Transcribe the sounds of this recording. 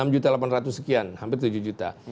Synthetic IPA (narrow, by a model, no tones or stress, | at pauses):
amd͡ʒut̪alapanrat̪usəkianhampɪrt̪ud͡ʒud͡ʒut̪a̰